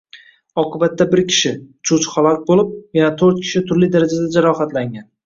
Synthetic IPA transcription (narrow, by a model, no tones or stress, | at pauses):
ɒqʰɨbat̪ːabɪɾkʲʰɪ̥ʃɪt͡ʃʰʊt͡ʃχalˠɒk̚ʲbolɪp̚janat̪ʰɵɾt̪̚kʲʰɪ̥ʃɪt̪ʰʊɾlijd̪aɾad͡ʒad̪ad͡ʒaɾɒχat̪laŋʲan